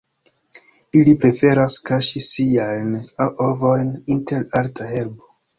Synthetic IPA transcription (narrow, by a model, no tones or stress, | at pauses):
ilipɾe̞fe̞ɾaskaʃisiajnaʔovo̞jninte̞ɾaltʰahe̞ɾbo